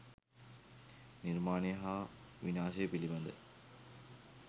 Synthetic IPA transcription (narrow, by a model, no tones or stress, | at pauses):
niɾmaːnijɐɦaʋinaːʃɐjpilibɐnd̪ə̰